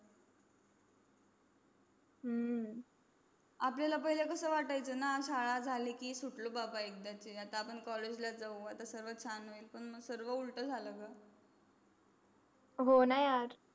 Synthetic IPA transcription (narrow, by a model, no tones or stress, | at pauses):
ɦə | apljalapəɦilekəsəːʋaʈajt͡sənaɕaɭad͡zʱalikiːsuʈlobabaek̚d̪at͡ɕiat̪aːpəɳkɔled͡ʑlad͡zauat̪asəɾʋət͡ɕʰanoiːlpəɳməɡsəɾʋəulʈəːd͡zʱaləka | ɦonajaɾ